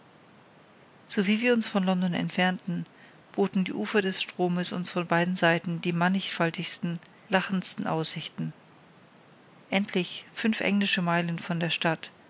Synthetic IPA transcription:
z̥oviːviːɐʊnsfɔnlɔndɔnɛ̰ntfɛɐntn̩ | b̥oːtn̩dḭːʔuːfɐdɛsʃtʁ̥oːməsʊ̰nsfɔnbaɪdn̩zaɪtn̩diːmanɪçfaltɪçstn̩ | laχn̩stn̩ʔa̰ʊsz̥ɪçtn̩ | ʔɛntʰlɪçfʏnfʔɛ̰ŋlɪʃəmaɪlənfɔndeːɐʃtat

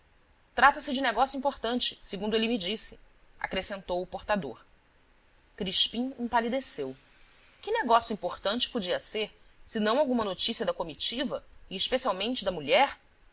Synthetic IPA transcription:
t̪ɾat̪ɐsɪd͡ʒɪneɡɔsjuĩpoɾt̪ɐ̃nt͡ʃɪ̥seɡũnd̪ʊelɪmid͡ʒisɪ̥ | a̰kɾesẽnt̪owʊpoɾt̪ad̪o̰ɾ | kɾiʃpĩẽpalid̪esew | kɪneɡɔsjuĩpoɾt̪ɐ̃nt͡ʃɪ̥pod͡ʒiɐseɾ | sɪnɐ̃w̃awɡũmɐnot͡ʃisiɐd̪ɐkomit͡ʃivɐɪːʃpesiawmẽnt͡ʃɪd̪ɐmuʎɛɾ

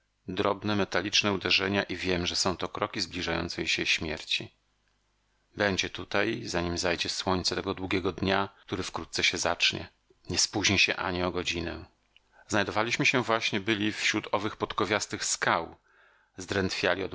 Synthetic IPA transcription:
d̪ɾɔbnɛmɛt̪alʲit͡ʂnɛud̪ɛʐɛɲaʔivʲjɛmʐɛsɔ̃w̃t̪ɔkɾɔkʲizblʲiʐajɔ̰nt̪sɛjɕɛɕmʲjɛ̰ɾt͡ɕi | bɛɲd͡ʑɛt̪ut̪ajzaɲimzajd͡ʑɛswɔɲʲt̪sɛt̪ɛɡɔd̪wuɡʲɛɡɔd̪ɲak̚t̪uɾɘfkɾut̪t̪sɛɕɛzat͡ʂɲɛ̰ | ɲɛspuʑɲɛɕɛ̰ʔa̰ɲiɔɡɔd͡ʑinɛ̰ | znajd̪ɔvalʲiɕmɘɕɛvwaɕɲɛbɘlʲifɕɾut̪ɔvɘxpɔt̪kɔvʲjast̪ɘxskaw | zd̪ɾɛnt̪fʲja̰lʲiɔd̪

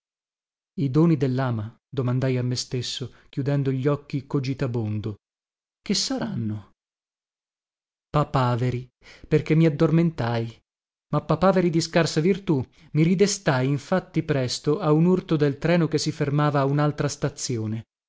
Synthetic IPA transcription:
id̪oːnid̪elːaːma | d̪omand̪ajamːest̪esːokʲjud̪ɛnd̪oʎːɔkːikod͡ʒit̪abond̪o | k̟esːaɾanːo | papaːveɾi | perk̟emːiad̪ːorment̪aj | mapːapaːveɾid̪iskarsavirt̪u | miɾid̪est̪ajiɱfat̪ːipɾɛst̪oaunurt̪od̪elt̪ɾɛːnokesːifermaːvaːunalt̪ɾast̪at̪sːjoːne

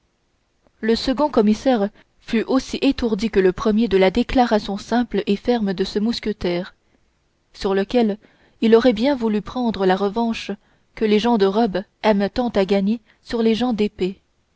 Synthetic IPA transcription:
ləsəɡɔ̃kɔmisɛʁ | fyʔosiʔet̪uʁd̪ikələpχəmjed̪əlad̪eklaʁasjɔ̃sɛ̃plefɛʁməd̪əsəmuskʲət̪ɛːʁ | syʁləkʲɛl | ilɔʁɛbjɛ̃vulypχɑ̃d̪ʁəlaʁəvɑ̃ʃ | kəleʒɑ̃d̪əʁɔbɛmt̪ɑ̃t̪aɡaɲe | syʁleʒɑ̃d̪epe

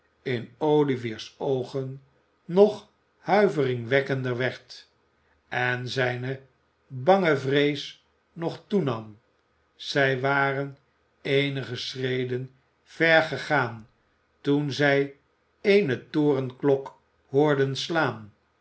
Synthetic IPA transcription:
ɪnowliviːɹsowχənː | ɔχ | hœɥvərɪŋʋɛkəndəɹʋɛɹt | ɛnzɛjnə | bɑŋəvrejs | nɔχtunɑm | z̥ɛjʋaːrən | ejnəχəsrejdən | v̥ɛɹχəχaːn | tunzɛj | ejnətoːrənklɔk | hʊːɹdənslaːn

